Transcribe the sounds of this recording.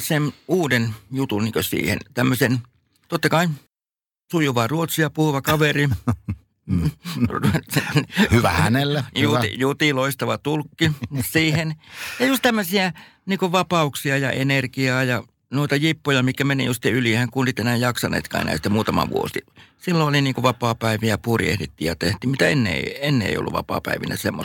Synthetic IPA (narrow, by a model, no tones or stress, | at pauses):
senuːdenjut̪unniːŋkøsḭːhḛnt̪æmːøsen | t̪ot̪ːɑkɑin | sujuʋɑruot̪siɑpuhuʋɑkɑʋeri | sehyʋæhænelːæjuḭjut̪iloist̪ɑʋɑt̪ulkːisiːhenjɑjust̪æmːøsiæ | niːkuʋɑpɑuksiɑjɑ̰ʔenerkiɑːjɑ | nuit̪ɑjipːojɑmikkːæmenḛjust̪eylihæŋkuonsit̪enæːjjɑksɑnḛːt̪kɑ̰ḛnæ̰ːst̪ːemuːt̪ɑmɑ̰ʋṵo̰sḭsilːooliniːŋkuʋɑpɑːpæiʋiæpuːrḭḛhdet̪ːiːjjɑt̪eht̪ˑiːmit̪æenːḛˑienːḛḛˑijo̰lːuʋʋɑ̰pɑ̰ːpæ̰iʋḭnæ̰semːo̰